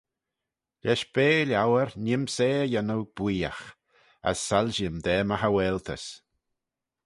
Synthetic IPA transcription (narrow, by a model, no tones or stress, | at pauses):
ʎʲɛʃbeːlʲjawəɾnʲɪmseːjanəwb̥wiːa̰x | a̰sːalʲʒɪmd̪ɛːmaɦawɛːlt̪ʰə̰s